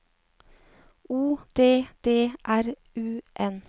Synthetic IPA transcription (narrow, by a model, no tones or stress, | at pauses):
uːd̪̥eːd̪̥eːʔæɾ | ʉːʔɛn